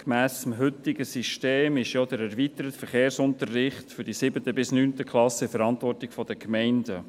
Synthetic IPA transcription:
kmæːsəmɦʏt̪ɪɡəsiʃteːmɪʃjɔd̪əɾæɾvit̪əɾətfəɾχeːɾsʊnt̪ərːɪχt̪fʏɾdisɪbətəbɪsnyːntəkʰχlɑsəfəɾɑntʋɔrtɪkfɔd̥əkmɛɪndə

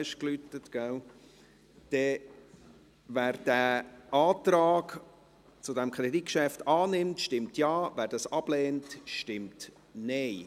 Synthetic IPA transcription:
ʃklytətɡ̥æl | d̥ɛ | væːɾd̥æɑːtɾɑːɡ̥ | t͡sʊdɛmkʰɾedikʃɛftɑːnɪmtʃtɪmtjɑːvæːɾd̥ɑsɑb̥lɛːntʃtɪmt | nɛɪ

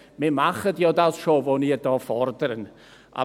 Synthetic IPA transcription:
mɛmaχədiowdawsʃovɔniədɔfɔrdrn | a̰

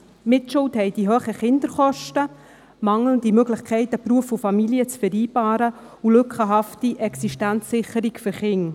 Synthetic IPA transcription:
mɪtʃʊlthɛɪdiɦøːχəχɪnd̪əɾχɔʃtə | mɑŋləndimøɡlɪχkʰɛɪt̪əpɾuəfufɑmiliət͡sfɛɾiːb̥ɑːɾə | ulɵkχəɦɑftiʔɛksiʃtænt͡sːɪχəɾikfʏɾχɪŋ

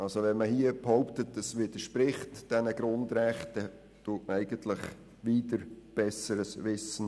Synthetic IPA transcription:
ɑlsoʋɛnməhiəbhɔʊptətəsʋɪd̥əʃpɾɪχtd̥ɛnəɡɾʊndɾɛχtə | tuːtməæɪɡ̥əntlɪχ | ʋiːdəɾb̥ɛsəɾəsʋɪsən

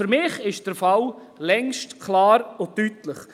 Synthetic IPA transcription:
føɾmɪːχɪʃd̥əɾfɑl | lɛŋʃtkʰlɑːɾotytləχ

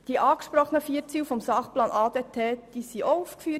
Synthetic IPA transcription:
d̥iʔɑːkʃpɾɔχənəfiəɾt͡siːwfɔmsɑχplɑːnʔɑːd̥̪etʰeːd̥isiʔoufkfyə

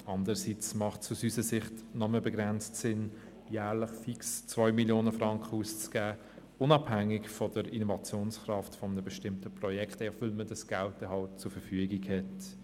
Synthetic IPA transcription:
ɑndəɾəsit͡smɑχtsusysəsɪχtnɔməbɛɡɾɛnt͡stsɪn | jæːʁlɪχfikst͡svɔʏmiljoːnəfʁɑŋkχəust͡sɡ̥æː | ʊnɑbhæŋːɪɡfɔdəɾinɔvɑt͡sjoːnsχrɑftfɔmənəbɛʃtɪmtəpʁɔjɛkχtɛvɪlmədɑsɡ̥altəɦɑlt͡sʊɾfəɾfyəɡikhɛt

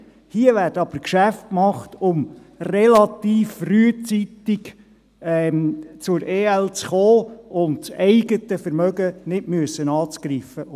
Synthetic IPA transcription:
hiəʋæːɾdəɑb̥əɾkʃæft̚kmɑχtʊm | rɛlɑt̪iːfryət͡sit̪ɪk | ɛt͡sʊɾʔeːɛlt͡sχoːʊntt͡sɛɪɡət̪əfəɾmœɡənɪtmyəsːənɑːt͡skɾiːfə

